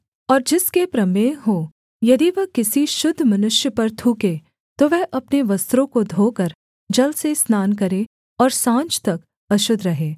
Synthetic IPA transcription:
ɔːɾd͡ʒɪskepɾɐmeːɦo | jɐd̪iʋɐɦkɪsiʃʊd̪ʱːmɐnʊʃjəpɐɾt̪ʰuːke | t̪oʋɛɦʔɐpneʋɐst̪ɾõkod̪ʱoːkəɾ | d͡ʒɐlsesnaːnk̬ɐɾe | ɔːɾsãːnt͡ʃt̪ɐk | ɐʃʊd̪ʱɾɐɦeː

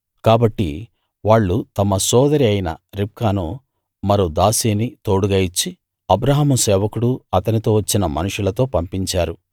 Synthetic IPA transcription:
kaːbɐʈːḭ | ʋaːɭːut̪ɐmɐsɔːd̪ɐɾiɐjinɐ̰ɾip̚kaːnu | mɐɾod̪aːsiːnit̪o̞ːɽuɡɐjit͡ʃːi | ɐbɾɐɦɐmusɛːʋɐkuɽuɐt̪ɐnit̪o̞ːʋɐt͡ʃːinɐmɐ̰nuʂulɐt̪o̞ːpɐmpiɲt͡ʃaːɾu

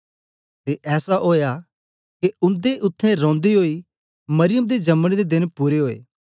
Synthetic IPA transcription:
t̪eʔɛːsaɦoːja | keʊ̃nd̪eʔʊt̪ʰːɛ̃ɾɔ̃ːnd̪iɦoːi | mɐɾɪjəmd̪ed͡ʒɐmɽ̃id̪ed̪ɪnpuːɾeɦoːḛː

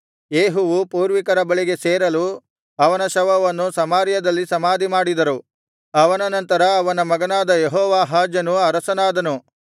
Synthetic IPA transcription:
jeːɦuʋupuːɾʋikɐɾɐbɐɭiɡe̞seːɾɐlu | ɐʋɐnɐʃɐʋɐʋɐnːusɐmaːɾjɐd̪ɐlːisɐmaːd̪imaːɽid̪ɐɾu | ɐʋɐnɐnɐnt̪ɐɾɐːʋɐnɐmɐɡɐnaːd̪ɐjeɦɔːʋaːɦaːd͡ʒjɐnuɐɾɐsɐnaːd̪ɐnu

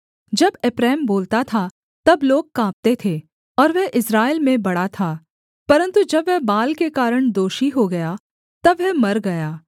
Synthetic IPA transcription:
d͡ʒɐbɪpɾɛːmboːlt̪at̪ʰa | t̪ɐbloːɡ̚kãːp̚t̪et̪ʰeː | ɔːɾʋɛɦʔɪsɾaːɪlmẽbɐɽat̪ʰaː | pɐɾə̃nt̪ud͡ʒɐbʋɛbaːlkekaːɾəɽ̃d̪oːʃiɦoɡɐja | t̪ɐbʋɛmɐɾɡɐjaː

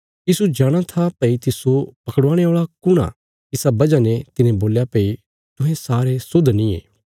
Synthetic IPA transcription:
jiːsud͡ʒaːɽ̃at̪ʰapɐit̪ɪsopɐkɽãːɽ̃eaːɭakʊɽ̃ã̰ | ɪsabɐd͡ʒanet̪ɪnẽboːljapeːi | t̪ʊ̃ɦẽsaːɾesʊd̪nĩḛː

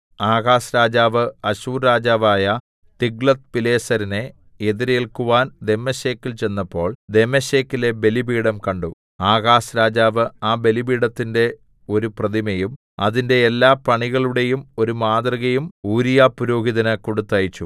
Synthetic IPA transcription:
aːɣaːsɾaːd͡ʑaːʋɨɐɕuːɾɾaːd͡ʑaːʋaːjɐ | t̪iɡɭɐt̪̚pile̞ːsɐɾine̞ | eðiɾeɭkuʋaːnd̪e̞mːɐɕe̞ːkːilt͡ɕe̞nːɐpːo̞ːɭd̪e̞mːɐɕe̞ːkːile̞be̞libiːɽɐmkɐɳɖu | aːɣaːsɾaːd͡ʑaːʋɨaːbe̞libiːɽɐt̪ːinde̞ | o̞ɾuprɐðimɐjum | ɐðinde̞ːlːaːpɐɳiɣɐɭuɽe̞jumo̞ɾumaːd̪rɐɣɐjumuːɾijaːpːuɾo̞ːɡiðɐnɐkoɽut̪ːɐjit͡ɕːu

